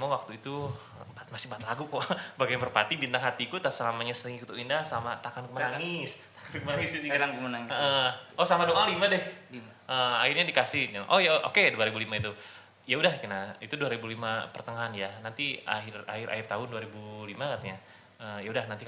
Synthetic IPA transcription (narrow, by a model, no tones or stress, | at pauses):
mawak̚t̪uit̪u | bat̪̚masɪhbat̪̚laɡukɔʔbaɡabərpat̪ibint̪aŋɦat̪ikut̪asəlamaɲasəiŋikut̪uʔindahsəamat̪akankəmanaŋɪst̪ḁkankəmanaŋɪssikəmanaŋəʔəosamadoʔalimadɛh | əairɲadikasɪhnaʔojaʔo̰keduaɾibulimait̪u | jaudahkinait̪uduaɾibulimapərt̪əŋaɦanjanant̪ia̰ɦɪra̰hɪrʔa̰ɪrt̪aɦʊnduaɾibulimakat̪eɲa | əːjaudahnant̪i